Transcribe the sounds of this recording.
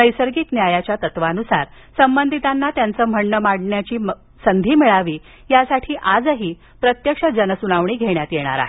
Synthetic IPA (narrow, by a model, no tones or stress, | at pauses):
nəjsəɾɡik̪njajat͡ɕjat̪ət̪ʋanusa̰ɾ | səmbənd̪ʱit̪anːat̪jant͡səːm̤əɳːəmaɽɳjat͡ɕiː | sənd̪ʱiːmiɭaʋiː | jasaʈʰiːʔad͡zəɦiː | pɾət̪jəkʂəd͡zənəsunaʋɳiːɡʱeɳjat̪jeɽ̃a̰ɾa̰ɦe